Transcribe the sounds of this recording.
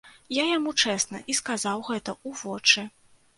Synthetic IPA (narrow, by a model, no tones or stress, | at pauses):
jajamut͡ʂɛsnɐ̰ʔiskazawɣɛt̪ɐuvɔt͡ʂɨ